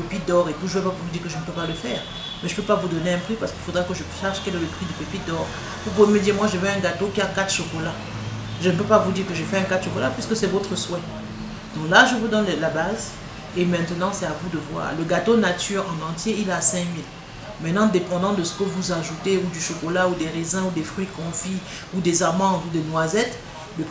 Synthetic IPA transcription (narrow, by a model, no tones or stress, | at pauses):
pepit̚d̪ɔʁekuʒəvɛpapuʁvud̪iːʁkəʒənəpøpaləfɛːʁ | mɛʒəpøpavud̪ɔneɛ̃pχipaʁsə̥kilfod̪ʁɛkəʒəʃɛʁʃkɛlɛləpχid̪ypepit̚d̪ɔʁ | pup̬uveməd̪iʁmwaʒəvɛɛ̃ɡat̪okʲiakat̪χʃokɔla | ʒənəpøpavud̪iːʁkəʒefɛɛ̃kat̪ʃokɔlapɥiskəsɛvot̪χəswɛ | d̪̥ɔ̃klaʒəvud̪ɔnlabaz | emɛ̃t̪ənɑ̃sɛavud̪əvwa̰ːʁləɡat̪onat̪yʁɑ̃nɑ̃t̪jeilasɛ̃mil | mɛ̃t̪nɑ̃d̪epɑ̃d̪ɑ̃d̪əsə̥kəvuzaʒut̪eud̪yʃokɔlaud̪eʁezɛ̃ud̪efχɥikɔ̃fi | ud̪ezaʁmɑ̃vud̪enwazɛt̪ | ləp